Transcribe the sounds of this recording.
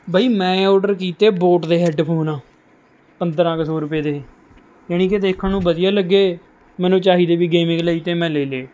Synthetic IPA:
baːiːmɛ̃ːɔːɖəɾkiːt̪eːboːʈd̪eːɦɛɖpʰoːnãː | pənd̪əɾãːksoːɾʊpeːd̪eː | jaːnĩːked̪eːkʰːənũːbəd̪ɪjaːləɡːeː | mɛ̃ːnũːt͡ʃaːɦiːd̪eːbiːɡeːmɪ̃ŋɡləːiːt̪eːmɛ̃ːleːleː

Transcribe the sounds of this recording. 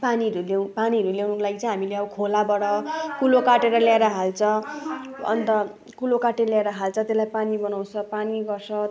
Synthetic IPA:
paniɦʌɾulewpaniɦʌɾuljawnʌlaɡit͡sʌĩɦamileʌbʌkʰolabʌɽʌkulokaʈeɾʌljaeɾʌɦalt͡sʰʌ | ʌ̰nt̪ʌ | kulokaʈeljaeɾʌɦalt͡sʰʌt̪eslajpanibʌnaw̃t͡sʰʌpaniɡʌrsʰʌ

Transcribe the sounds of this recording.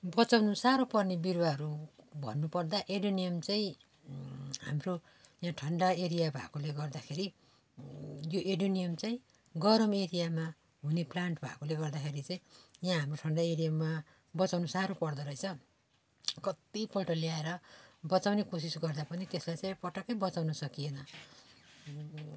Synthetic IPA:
bʌt͡sawnusaɾopʌrnebirwaɦʌɾubʱʌ̰nːupʌrd̪aʔeɽonijʌmt͡saĩ | ɦa̰mro | jãʈʰʌɳɖaeɾijabʱa̰koleɡʌrd̪akʰeɾi | joʔeɽonijʌmt͡saĩ | ɡʌɾʌmeɾijama | ɦuneplaɳʈbʱa̰koleɡʌrd̪akʰeɾit͡sãĩjãɦamroʈʰʌɳɖaeɾijamːa | bʌt͡sawnusaɾopʌrd̪ʌɾʌjt͡sʰʌ | kʌt̪ipʌlʈʌliaeɾʌbʌt͡sawnekos̬isɡʌrd̪apʌnit̪eslajt͡saj̃pʌʈʌkʌjbʌt͡sawnʌsʌkijenʌ

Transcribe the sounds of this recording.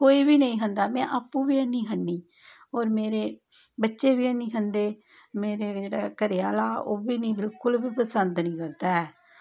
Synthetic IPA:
koːiːbiːnəĩːɦənd̪aːmɛ̃ːʔaːpːũːbiːənːĩːɦəɳːiː | ɔːɾmeːɾeː | bətːʃeːbiːənĩːɦənd̪eː | meːɾeːd͡ʒeːɽaːkəɾɪjaːlaːoːbiːnĩːbɪlkʊlbiːpəsənd̪nĩːkəɾd̪aːɛː

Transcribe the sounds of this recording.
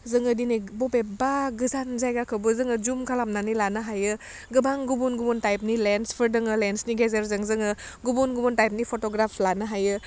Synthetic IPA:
zɯŋɯdinibɔpebaɡɯzanzajɡakʰɯbɯzɯŋɯzumkʰalamnanilanɯɦajɯ | ɡɯbaŋɡubunɡubuntajp̚nilenspʰɯɾdɯŋɯlensniɡezeɾzɯŋzɯŋɯ | ɡubunɡubuntajp̚nipʰotɔɡɾapʰlanɯɦajɯ

